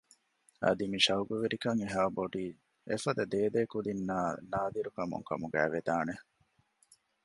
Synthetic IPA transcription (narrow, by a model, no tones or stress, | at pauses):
ɐ̰d̪imiʃɐuɡuʋiɾikɐŋiɦaːboɖiː | efɐd̪ɐd̪eːd̪eːkud̪inːaːnaːd̪iɾukɐmṵŋkɐ̰muɡæ̰ːʋed̪aːne